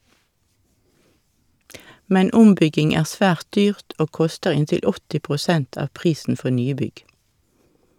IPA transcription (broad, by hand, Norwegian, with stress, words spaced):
ˈmɛn ˈʊmˌbʏɡɪŋ ˈæːʁ ˈsʋæːʁt ˈdyːʁt ˈoː ˈkʊstəʁ ˈɪntɪl ˈɔtɪ pʁʊˈsɛnt ˈɑːʋ ˈpʁiːsn̩ ˈfɔ ˈnyːˌbʏɡ